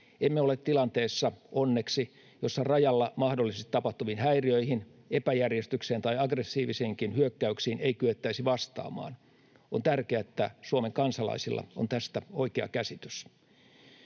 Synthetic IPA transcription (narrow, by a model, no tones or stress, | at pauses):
emːeolet̪t̪ːilɑnt̪eːsːɑʔonːeksi | josːɑrɑjɑlːɑmɑhdolːˑisest̪it̪ɑpɑht̪uʋinhæiriøihin | epæjærjest̪ykseːnt̪ɑijɑɡresːiːʋiseŋkinhyøkːæyksiːneikyʋet̪ːæisiʋɑst̪ɑ̰ːmɑ̰ːn | ont̪ærkeæet̪ːæsuomeŋkɑnsɑlɑ̰isilːɑ̰o̰nt̪æst̪æoikeɑ̰kæsit̪ys